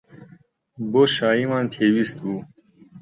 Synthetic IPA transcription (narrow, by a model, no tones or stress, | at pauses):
boʃɑːimɑːnt̪ʰeːwist̪bu